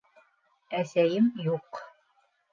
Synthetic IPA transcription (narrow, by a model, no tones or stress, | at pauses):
æsæjɘmjuq